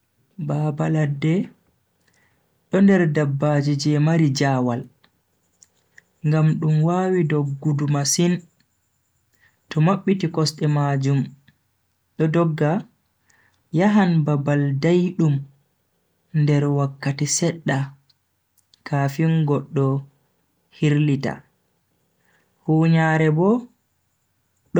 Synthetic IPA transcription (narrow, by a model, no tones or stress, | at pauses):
baːbaladːɛ | ɗɔndɛɾdabːad͡ʒid͡ʒɛmaɾid͡ʒaːwal | ŋɡamɗumwawidɔɡːudumasin | tɔmaɓːitikɔsɗɛmad͡ʒum | ɗɔdɔɡːa | jaɦanbabaldajɗum | ndɛɾwakːatisɛɗːa | kʰafinɡɔɗːɔ | hiɾlita̰ | huːɲaːɾɛbɔ | ɗ